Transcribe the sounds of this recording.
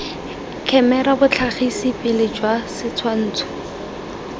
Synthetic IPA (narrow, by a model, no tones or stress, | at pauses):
kʰɛmɛrabʊt͡ɬʰaχisɪpʼɪlɪd͡ʒwasɪt͡sʰwan̩ːt͡sʰʊ̥